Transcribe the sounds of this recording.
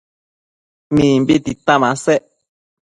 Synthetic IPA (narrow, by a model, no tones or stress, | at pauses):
mĩːmbit̪it̪amãseʔ